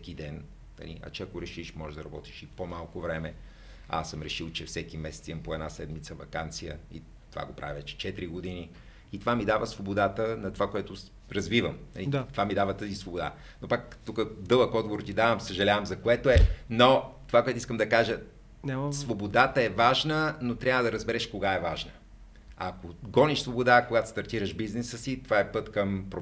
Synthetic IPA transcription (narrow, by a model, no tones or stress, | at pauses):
sɛkid̪ɛn | nɐ̰lḭʔɐ̰t͡ʃɛɐkoɾɛʃiʃmɔʒd̪ɐɾɐbɔt̪i̥ʃipomalˠkovɾɛmɛ | a̰səmɾɛʃilˠt͡ʃɛfsɛkimɛsɛ̥t̪iɐmpoɛd̪nasɛd̪mit̪səvɐkant̪sijə̰ḭ | t̪ova̰ɡopɾʔa̰vivɛt͡ʃɛ̥t͡ʃɛt̪ɾiɡod̪ini | it̪ovamid̪avəsvobod̪at̪ənɐt̪ovakoɛt̪ʊ | ɾɐzvivəmnɐ̰lit̪at̪ovamid̪avət̪əzisvobod̪a̰ | nopakt̪ukəd̪ɤlˠəkɔd̪ɡoɾt̪id̪avəmsəʒɐlʲavəmzɐkoɛt̪oɛnot̪ovakoɛt̪ʊiskəmd̪ɐkaʒə | svobod̪at̪əɛvaʒnənot̪ɾʲavəd̪ɐɾəzbɛɾɛʃkoɡaɛvaʒnə | a̰koɡɔniʃsvobod̪akoɡat̪o̥st̪ɐɾt̪iɾəʃbiznɛsəsit̪ovaɛpɤt̪kɐmpɾo